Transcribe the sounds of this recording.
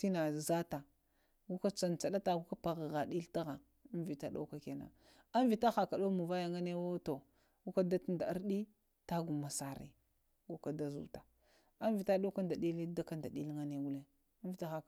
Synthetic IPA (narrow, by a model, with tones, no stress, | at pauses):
ti˦na˨za˦ta˨ | ɡu˦ka˦t͡sa˨nt͡sa˨ɗa˦ta˦ɡu˦ka˦pa˨ɣa˨ɣa˨ɗi˦lta˦ɣa˨˦ | nvi˨ta˦ɗo̰˦ka˨ke˨na̰˨ | a˦nvi˨ta˦xa˨ka˨ɗo˦mu˨va˦ja˨ŋa˦ne˦wo˦to˨ | ɡu˦ka˦da˦tnda˨a˦ɾɗi˦ | ta˦ɡu˨ma˨sa˨ɾḭ˦ | ɡu˦ka˦da˦zṵ˨ta˨ | a˦nvi˨ta˦ɗo˦ka˦nda˨ɗi˦li˦da˦ka˦nda˨ɗi˦lŋa˦ne˦ɡu˦le˦ | a˦vi˨ta˦xa˨